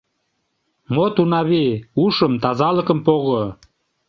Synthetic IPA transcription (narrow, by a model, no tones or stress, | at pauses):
mot̪unɑβiuʃəmt̪ɑzɑlə̆kə̆mpoɣo